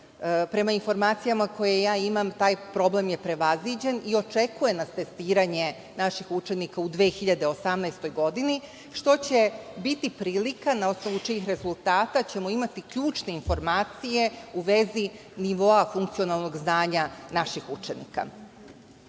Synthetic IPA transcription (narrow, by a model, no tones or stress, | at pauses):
pɾe̞mainfo̞ɾmaːt̪sijamako̞jejaːimamt̪aːjpɾo̞ble̞mje̞pɾe̞ʋazid͡ʑe̞nio̞t͡ʃe̞kuje̞nast̪e̞st̪iːɾaɲe̞ | naʃixut͡ʃe̞nikaud̪ʋeːxiʎad̪e̞o̞samnajst̪o̞jɡo̞d̪ini | ʃt̪o̞t͡ɕebit̪ipɾiːlikanao̞sno̞ʋut͡ʃiːxɾe̞zulˠt̪aːt̪at͡ɕe̞mo̞imat̪ikʎuːt͡ʃne̞info̞ɾmaːt̪sije̞uʋe̞zi | niʋo̞afuŋk̚t̪sio̞nalˠno̞ɡznaːɲanaʃixut͡ʃenḭka̰